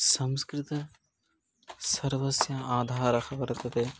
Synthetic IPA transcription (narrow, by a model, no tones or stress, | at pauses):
sɐmskɾɪt̪ɐ | sɐɾʋɐsjɐaːd̪ʱaːɾɐxʰɐbɐɾɐt̪ɐt̪eː